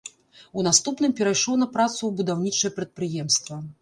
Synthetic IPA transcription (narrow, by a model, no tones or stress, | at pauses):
unast̪upnɨmpʲɛɾajʂlˠɔnɐpɾat̪suwbud̪awnʲit͡ʂɐjɛpɾɐt̪̚pɾɨjɛmst̪vɐ